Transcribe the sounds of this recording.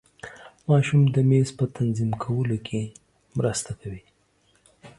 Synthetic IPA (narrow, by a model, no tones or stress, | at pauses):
mɑʃumd̪əmezpət̪ʰanzimkʰawəlokʰe | mɾəst̪akawi